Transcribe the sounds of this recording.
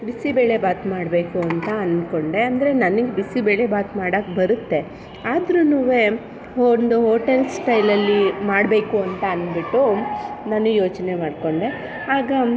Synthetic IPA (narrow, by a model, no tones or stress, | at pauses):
bisibe̞ːɭe̞baːt̪maːɽbe̞ːkuɐnt̪ɐɐnko̞ɳɖe̞ɐnd̪ɐɾe̞nɐniɡebisibeːɭe̞baːt̪maːɽɐːkbɐɾut̪ːe̞ | aːd̪ɾunuːʋe | ond̪uɦoːʈelsʈɐjlɐlːimaːɽbe̞ːkuɐnt̪ɐɐnbiʈːunaːnːujo̞ːt͡ʃne̞maːɖko̞ɳɖe | ɦaːɡɐ